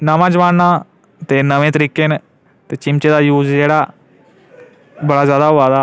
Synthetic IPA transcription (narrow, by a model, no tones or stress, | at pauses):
naʋãd͡ʑʋaɽnã | t̪enəʋẽt̪əɾiken | t̪et͡ɕimt͡ɕed̪ajuːd͡zjeɽa | bəɽad͡ʑjad̪aʋad̪a